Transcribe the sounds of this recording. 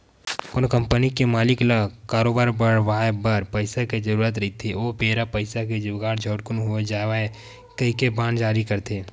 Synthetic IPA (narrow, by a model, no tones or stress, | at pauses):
koːnkə̃mpənikemaːlɪklakaːɾoːbaːɾbəɽ̤ʋaːebəɾpəɪsaked͡ʒəɾuːɾət̪̬ɾɐit̪ʰeoːpeːɾapəɪsaked͡ʒʊɡaːɾd͡ʒʱəːʈkʊnɦued͡ʒaːʋae | kəɦikebãːnd͡ʒaːɾikəɾt̪ʰeː